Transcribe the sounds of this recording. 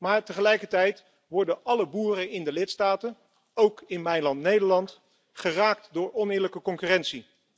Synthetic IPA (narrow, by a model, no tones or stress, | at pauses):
maːɹtəχəlɛjkəɹtɛjt | ʋɔɹdəɑləbuːrəɪndəlɪtstaːtən | owkɪnmɛjlɑntnejdəɹlɑnt | χəraːk̚tdʊːɹɔnɪːɹləkəkɔŋkyrɛntsi